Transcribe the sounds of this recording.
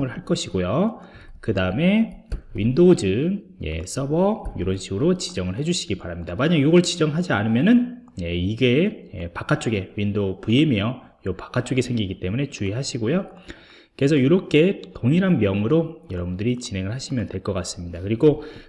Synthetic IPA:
ŋɯɭɦaɭk͈ʌɕʰiɡojo | kɯdaɯme̞windod͡ʑɯ | je̞̰s͈ʌbʌjuɾʌnɕʰiɡɯɾot͡ɕid͡ʑʌŋɯɭɦe̞d͡ʑuɕʰiɡipaɾamɲidamaɲaŋjoɡʌɭt͡ɕid͡ʑʌŋɭɦad͡ʑianɯmjʌnɯnje̞iɡe̞jḛpak͈ʰat͡ɕ͈ʰoɡe̞windopuemiʌ | jopḁk͈ʰat͡ɕ͈oɡesʰe̞ŋɡiɡit͈e̞mune̞t͡ɕuiɦaɕʰiɡojo | kesʰʌjuɾʌp̚k͈ʰe̞toŋiɾɦanmjʌŋɯɾojʌɾʌbundɯɾit͡ɕine̞ŋɯɭhaɕʰimjʌndwe̞ɭk͈ʌk͈as͈ɯmɲidakɯɾiɡo

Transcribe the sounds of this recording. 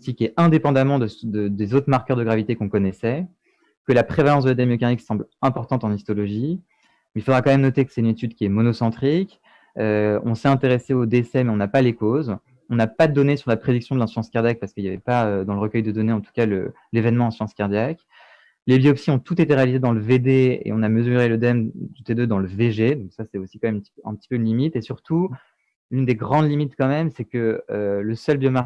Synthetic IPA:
t̪ikʲɛɛ̃d̪epɑ̃d̪amɑ̃d̪əd̪əd̪ezot̪χmaʁkœʁd̪əɡʁavit̪ekɔ̃kɔnɛsɛ | kəlapχevalɑ̃sd̪əlad̪ɛmjəkaniksɑ̃blɛ̃pɔʁt̪ɑ̃t̪ɑ̃nist̪ɔlɔʒi | milfod̪ʁakɑ̃mɛmnɔt̪ekə̥sɛt̪ynet̪yd̪kʲiɛmɔnɔsɑ̃t̪χik | øɔ̃sɛɛ̃t̪eʁeseod̪esɛmɛɔ̃napalekoz | ɔ̃napad̪ɔnesyʁlapχed̪iksjɔ̃d̪əlɛ̃syɑ̃skaʁd̪ʲjak̚paʁsə̥kəiljavɛpaød̪ɑ̃ləʁəkœjd̪əd̪ɔneɑ̃t̪u̥kalə̰ | levɛnmɑ̃ɛ̃sɑ̃skʲaʁd̪jak | lebiɔpsiɔ̃t̪ut̪et̪eʁealized̪ɑ̃ləved̪eḛɔ̃naməzyʁeləd̪ɛmt̪ut̪ed̪ød̪ɑ̃ləveʒed̪ɔ̃ksasɛosi̥kɑ̃mɛmt̪ɛ̰̃pət̪i̥pøynlimit̪esyʁt̪u | lynd̪eɡʁɑ̃d̪limit̪kɑ̃mɛmsɛkəøləsœlbjɔma

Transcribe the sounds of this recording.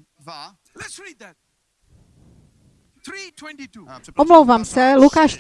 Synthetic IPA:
wɛnɔmlowvaːmsɛlukaːʃ

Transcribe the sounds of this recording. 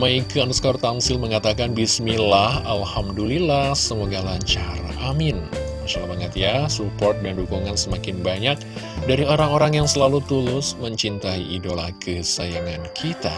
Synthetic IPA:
maikaanuskart̪aŋsɪlməŋat̪akanbismilahalhamdulilahsəmoɡalaɲt͡ʃaɾa̰ʔamɪnmaʃalabaŋət̪jasupɔrt̪̚dandukuŋansəmakɪnbaɲak̚ | daɾioɾaŋoɾaŋjaŋsəlalut̪ulʊsməɲt͡ʃint̪aiidolahkʰəsajaŋankʰit̪a

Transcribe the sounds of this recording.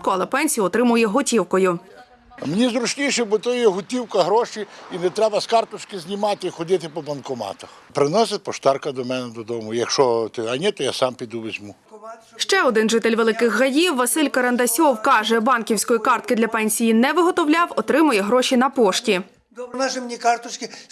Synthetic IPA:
kʊɐlˠɛpɛnʲsʲijʊɔt̪ɾɪmʊjɛɦʊtʲiwkɔjʊ | menʲizɾʊt͡ʃnʲijʃɛbʊt̪ɔʊjɛɦʊtʲiwkɐɦɾɔʃiinɛt̪ɾɛbɐskɑrt̪ʊt͡ʃkɪzʲnʲimɑt̪ɪixɔd̪ɪt̪ɪpɔbɐnkɔmɑ̰t̪ɐxpɾɪnɔsʲɪt̚ʲpɔʃt̪ɑrkɐd̪ɔmɛnɪd̪ɔd̪ɔmʊjɐkʃɔt̪ɪɐnʲit̪ɔjasɑmpʲid̪uʋezʲmu | ʃt͡ʃɛɔd̪ɪnʒɪt̪elʲʋelˠɪkɪxːɐjiwːɐsɪlʲkɐɾɐnd̪ɐsʲɔwkɑʒɛbɑnkʲiwsʲkɔjikɑrt̪̚kɪd̪lʲɐpɛnʲsʲijinɛʋɪɦɔt̪ɔwlʲɑwɔt̪ɾɪmʊjɛɦɾɔʃʲinɐpɔʃtʲi | nɑʒɪmnʲikɑrt̪ʊt͡ʃkʲɪ

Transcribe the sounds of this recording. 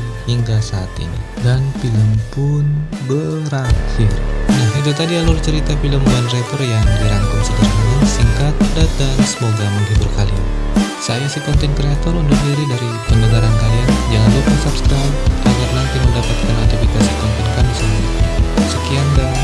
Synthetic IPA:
hiŋɡasaːt̪ḭnḭ | danpiləmpʊnbəɾakɪrnaɦit̪̬ut̪adialurt͡ʃəɾit̪apiləmbuanrɛt̪ɔrjaŋdiɾaŋkuŋsədərmanasiŋkat̪̚dat̪̚dansəmoɡaməŋɡiburkalḭsajasikɔnt̪ɛnkɾeat̪ɔrund̪ʊkdaɾidaɾi | pəndəɡaɾankaliand͡ʒaŋandukasapskɾajmʔaɡarnant̪iməndapat̪̚kanat̪ifikasikɔnt̪ɛnkalisu | səkianda

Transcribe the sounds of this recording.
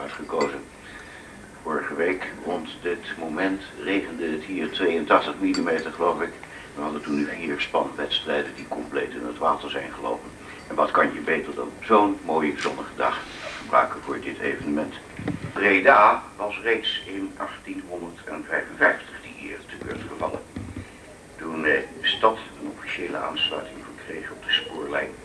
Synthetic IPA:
œtχəkowzən | vʊːɹəχəʋejkrɔntdɪtmomɛntrejχəndədɪtɦiːɹtʋejəntɑχtəχmilimejtəɹχəlowfɪk | ʋənɦɑdətunɦiːɹspɑ̰nʋɛtstrɛjdəndikɔmplḛjtɪ̰nətʋaːtəɹzɛjnχəlo̰wpən | ɛnʋɑtkɑnjəbejtədo̰z̥ownmoːjəzɔnəχədɑ̰χχəbrœ̰ɥkənvʊːɹdɪtʰḛjvənəmɛnt | predaːʋɑsrejtsɪnʔɑχtinɦɔndəɹtʰɛnvɛjvənvɛjftəχd̥iɦiːɹtəkø̰ːɹtχəvɑ̰lə̰n | tunəstɑtənɔfiʃeːlə̰a̰ːnslœ̰ɥtɪŋvəɹkrḛjχənɔb̚dəspʊːɹlɛ̰jn

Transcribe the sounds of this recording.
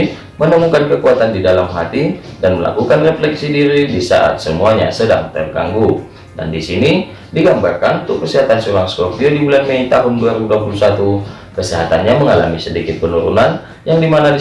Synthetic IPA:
mənəmuŋkankəkuat̪andidalamɦat̪idanməla̰kukanreflɛksidiɾidisa̰ʔa̰t̪̚səmuaɲa̰səda̰ŋt̪ɛrka̰ŋɡu | da̰ndisini | diɡambarkanunt̪ʊkːəsiɦat̪ansuɾaŋskopiodibulanmeit̪aɦʊnduaɾibuduapulusat̪u | kəsiɦat̪anɲaməŋala̰misədikɪt̪̚pənuɾṵnan | jaŋdimanadi

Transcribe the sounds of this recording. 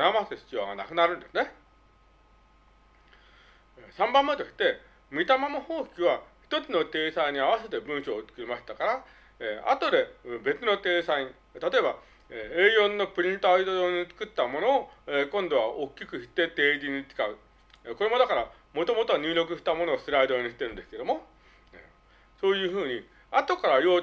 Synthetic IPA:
namaseɕi̥t͡ɕioɡa̰na̰kɯ̟naɾɯ̟̃nd̪e̞sɨne̞ | sãmbãmːait̪okʲi̥t̪ːe̞ | mʲit̪amamaho̞ːkʲiβaçi̥t̪o̞t͡sɨno̞t̪e̞ːsaiɲ̟iaβ̞ase̞t̪e̞bɯ̃ɰ̃ɕoːt͡sɨ̥kɯ̟ɾimaɕi̥t̪akaɾa | a̰t̪o̞d̪e̞be̞t͡sɨno̞t̪e̞ːsaiɲ̟i | t̪at̪o̞e̞ba | eeːjõ̞nːo̞pɯ̟ɾʲĩnt̪aid̪ooɲ̟it͡sɨ̥kɯ̟t̪ːamono̞ːekõ̞nd̪o̞β̞aʔokʲːikɯ̟çi̥t̪ːe̞t̪e̞ːd͡ʑiɲ̟it͡sɨ̥kaɯ̟ | ko̞ɾe̞mo̞d̪akaɾa | mo̞t̪o̞mo̞t̪oaɲ̟ɨːɾʲo̞kɯ̟ɕi̥t̪amo̞no̞ːsɨɾaid̪o̞ːɲ̟iɕi̥t̪ːeɾɯ̟nd̪eɨ̥ke̞d̪o̞mo̞ | ḛ | so̞ːjɯ̟ːɸɯ̟ːɲ̟i | at̪o̞kaɾajo̞ː

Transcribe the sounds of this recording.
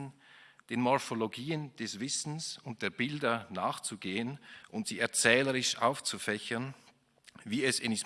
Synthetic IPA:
nd̥eːnmɔɐfoloɡiːənd̥ɛsv̥ɪsn̩sʊnt̚d̥eːɐbɪldɐnaːχt͡suɡeːənʔʊntz̥iːɛɐt͡sɛːləʁɪʃʔa̰ʊft͡sufɛçɐn | viːɛsɪnis

